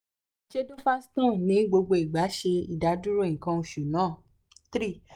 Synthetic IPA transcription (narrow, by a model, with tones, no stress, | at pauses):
d͡ʒe˦do˦fa˦stɔ̃˦˨nĩ˨˦ɡ͡bo˧ɡ͡bo˧i˨ɡ͡ba˨˦ʃe˧ḭ˨da˨˦du˦ɾo˦ĩ˨kã˧ũ˧ʃu˨nãː˦˨ | t̪ɾi˦˨